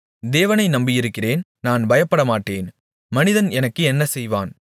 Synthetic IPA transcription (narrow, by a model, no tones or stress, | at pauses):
d̪eːʋɐnɐɪnɐmbɪjɪɾɯkːɪreːnnaːnbɐjɐpːɐɽɐmaːʈːeːn | mɐnɪðɐnɛnɐkːɯɛnːɐsɛjʋa̰ːn